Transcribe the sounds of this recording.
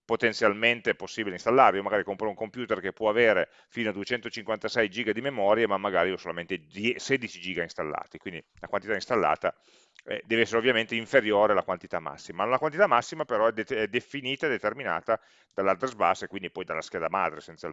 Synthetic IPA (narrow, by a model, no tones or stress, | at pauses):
pot̪ent̪sjalment̪eposːibileinst̪alːaɾeiomaɡaːɾikompɾouŋkompjuːt̪erkepːwɔaveːɾe | fiːnoad̪uet͡ʃɛnt̪ot͡ʃiŋkwant̪asɛjd͡ʒiːɡad̪imemɔːɾjemamːaɡaːɾiosolament̪ed̪ɛseːd̪it͡ʃid͡ʒiːɡainst̪alːa̰ːt̪ikwind̪ilakwant̪it̪aĩnst̪alːa̰ːt̪a | ɛ̰d̪ɛːveɛsːeɾeovːjament̪eiɱfeɾjoːɾealakwant̪it̪amːa̰sːimanolakwant̪it̪amːasːimapeɾɔɛd̪eɛd̪efiniːt̪aed̪et̪ermina̰ːt̪a | d̪̥alːart̪ɾezba̰sːekwind̪ipɔjd̪alːask̟ɛːd̪ama̰d̪ɾesent̪sja̰